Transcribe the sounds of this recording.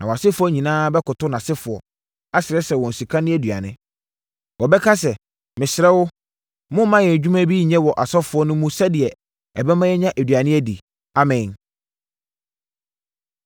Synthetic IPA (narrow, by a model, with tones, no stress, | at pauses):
nã˨ɔ˨a˨sɪ˦fʊ˦ɔ˦ɲĩ˨nãː˦bɛ˦kʊ˨tʊ˦nã˨sɪ˦fʊ˨ɔ˨ | a˦sɪ˨ɾɛ˦sɛ˨wɔ̃˨n̩˨su˨kʰa˦nɪ̃˦æ˦˨dɥa̰˨nɪ̃˦ | wɔ˨bɛ˦kʰa˦s̬ɛ˨ | mɪ̃˨sɪ˨ɾɛ˦wʊ˦ | mʊ̃˦mã˦jɛ˨d͡ʑᶣu˦mã˦bi˦ɲɛ̃˦wɔ˨ʔa˨sɔ˦fʊ˨˦ɔ˦nʊ̃˦mũ˦sɛ˦dɪ˨ɛ˨ | ɛ˨bɛ˦mã˦jɛ˦ɲã˦ʔæ˨dɥa˨nɪ̃˦æ˦dḭ˨ | a˨mɛ̃˨n